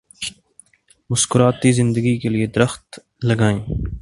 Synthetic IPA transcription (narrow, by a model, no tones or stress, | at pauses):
mʊskʊɾaːt̪iːzɪ̃nd̪əɡikelied̪əɾəxt̪ | lɐɡaːẽː